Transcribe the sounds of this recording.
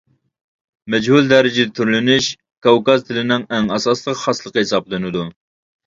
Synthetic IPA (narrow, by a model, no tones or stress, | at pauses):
mɛd͡ʒhuld̪ɛɾɪd͡ʒɪd̪ɛt̪ʰyɾlɪnɪʃ | kɑwkɑzt̪ʰɪlɪnɪŋɛŋɑsɑslˠəqχɑslˠəqəhɪsɑblˠɨnɨd̪u